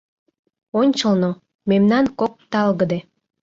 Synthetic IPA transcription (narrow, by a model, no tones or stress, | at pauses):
onʲt͡ɕəlno | memnɑnkok̚t̪ɑlɣəd̪e